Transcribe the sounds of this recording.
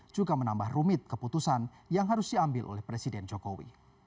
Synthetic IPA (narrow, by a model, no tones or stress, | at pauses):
d͡ʒuɡamənambahrumɪt̪̚kəput̪usan | jaŋɦaɾʊsdiambɪlʔo̰lɛhpɾesidɛnd͡ʒokowḭ